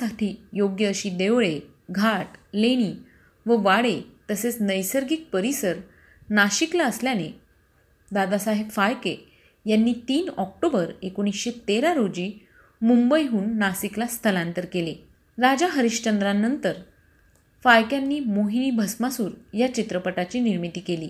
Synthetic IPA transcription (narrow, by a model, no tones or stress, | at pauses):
aʈʰiːjoɡjəːɕiːd̪eʋɭe | ɡʱaʈleɽ̃iː | ʋəʋaɽet̪əset͡snəjsəɾɡik̚pəɾisəɾ | naɕiklaəsljane | d̪ad̪asaɦekfajke | janːiːt̪iːnɔk̚ʈobəɾekoɽ̃isɕet̪eɾaɾod͡ʑiː | mumbəjɦuːnːasiklast̪ʰəlãnt̪əɾkele | ɾad͡ʑaɦəɾiɕt͡ɕənd̪ɾanːənt̪əɾ | fajkjanːiːmoɦiniːbʱəsmasuːɾjat͡ɕit̪ɾəpəʈat͡ɕiːniɾmit̪iːkeliː